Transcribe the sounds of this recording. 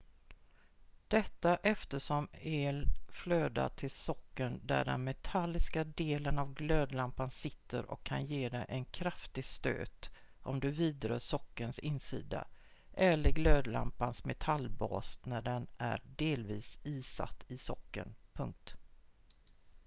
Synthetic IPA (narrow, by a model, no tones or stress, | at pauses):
d̪̥ɛt̪ːaʔɛft̪əʂɔmeːlfløːd̪a̰t̪ʰɪlsɔkːənd̪æ̰ɖɛ̰nmɛt̪ʰalːɪskad̪eːlənavɡløːd̪lampansɪt̪ːə̰ɾʔɔ̰kʰːanjeːɖɛjʔɛnkʰɾaft̪ɪɡst̪ø̰ːt̪ʔɔmd̪ɵviːd̪ɾœːʂɔkːənsɪnsḭːd̪a̰ | ʔɛlːəɾɡløːd̪la̰mpansmɛt̪ʰalːbɑ̰ːsnæɖɛnæ̰ɾɖeːlviːsiːsa̰t̪ːɪsɔkːə̰npʰɵŋk̚t̪